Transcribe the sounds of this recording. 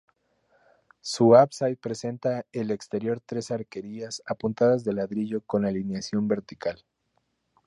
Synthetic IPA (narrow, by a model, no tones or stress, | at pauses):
suapsaj̪̚pɾe̞se̞nt̪aele̞kst̪e̞ɾjo̞ɾt̪ɾe̞saɾke̞ɾiasapunt̪aðazðe̞laðɾiʝo̞ko̞nalinjasjo̞mbe̞ɾt̪ikal